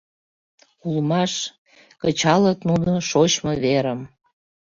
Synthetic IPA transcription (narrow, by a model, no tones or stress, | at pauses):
ulmɑʃ | kət͡ɕɑlət̪nunoʃot͡ɕmoβeɾəm